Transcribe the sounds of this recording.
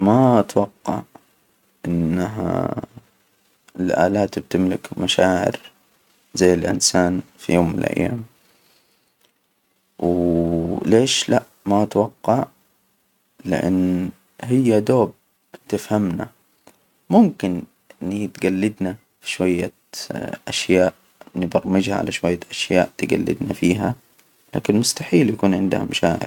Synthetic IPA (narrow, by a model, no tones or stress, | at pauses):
mat̪wɑqːɑ̰ʕ | ʔɪnːaɦa̰ | ɪlʔa̰ːlaːt̪b̚t̪ɪmlɪkmaʃaːʕɪ̰ɾ | zajːɪlʔɪ̰nsaːnfḭjoːmːɪnɪ̰lʔa̰jːa̰ːm | w | leːʃlaʔ | mat̪wɑqːɑʕ | lɪ̰ʔa̰nː | hɪjːad̪oːb̚ | t̪ɪfhamna | mʊmkɪn | ʔɪnːɪt̪ɡalːɪd̪na | fi̥ʃwajːa | ʔaʃjaːʔ | nɪbɑɣmɪd͡ʒha̰ʕa̰laʃwajːaʔaʃjaːʔt̪ɪɡa̰lːɪ̰d̪nafiːɦa | la̰ːkɪnmʊst̪aħiːljakuːnʕɪnd̪a̰ha̰maʃaːʕɪ̰